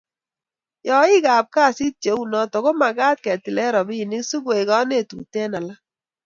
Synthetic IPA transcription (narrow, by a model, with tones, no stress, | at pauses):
jɔ˨i˦ɡa˨p̚ka˦˨si˦t͡ʃe˨˦u˨nɔ˨˦tɔ˨ko˦ma˨ɡa˦t̚kɛ˨ti˨lɛ˦ɾɔ˨bi˦˨nɪ˦ksu˦ɡwe˨ɡɔ˦ne˦˨tṵ˨tɛ˦na˨la˦